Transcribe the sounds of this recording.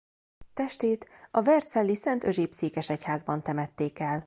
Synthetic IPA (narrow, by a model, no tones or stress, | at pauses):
t̪ɛʃt̪eːt̪ɒvɛrt̪sɛlːisɛnt̪ø̞ʒeːpseːkɛʃɛchaːzbɒnt̪ɛmɛt̪ːeːkɛl